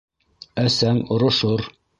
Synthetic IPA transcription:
æsæŋŏɾŏʃoɾ

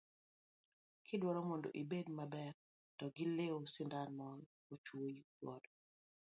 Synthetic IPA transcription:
kʰɪdwɔɾɔmondo̰ʔibedmabɛr | tɔɡɪleosɪndanmɔl | ot͡ʃwoji | wɔdɔ

